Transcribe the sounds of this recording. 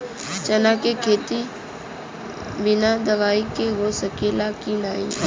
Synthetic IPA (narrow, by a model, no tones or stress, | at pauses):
t͡ʃɐnakekʰeːt̪i | bɪnad̪ɐʋaːikeɦosəkelakinaːi